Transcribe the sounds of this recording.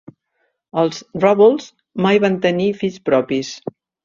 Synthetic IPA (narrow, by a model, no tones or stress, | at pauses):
əlˠzrɔβulˠz | majβant̪ənifispɾɔpis